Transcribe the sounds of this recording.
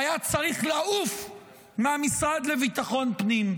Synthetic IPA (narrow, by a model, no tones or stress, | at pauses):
ajat͡saʁiχlaʔuf | meamisʁad̪le̞vit̪aχo̞npnim